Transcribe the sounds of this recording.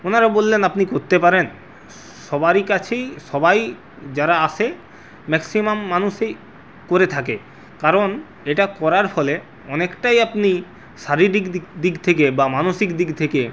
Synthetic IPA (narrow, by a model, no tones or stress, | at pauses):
onaɾabolːenapnikoɾt̪epaɾen | ʃɔbaɾikat͡ɕʰejʃɔbaj | d͡ʑaɾaaʃʰe | mɛksimamːanuʃej | koɾet̪ʰake | kaɾon | eʈakɔɾaɾfɔle | ɔnekʈajapni | ʃaɾiɾik̪d̪iɡt̪ʰekebamanoʃikd̪ikt̪ʰeke